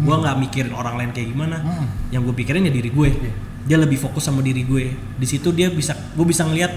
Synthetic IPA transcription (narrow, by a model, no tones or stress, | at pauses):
ɡuaŋɡaʔmikiɾɪnoɾaŋlaɪnkajaɡimanajaŋɡuapikiɾɪnjadiɾiɡue | dialəbɪhfokʊsːamadiɾiɡue | disit̪udiabisa | ɡuabisaŋəliat̪̚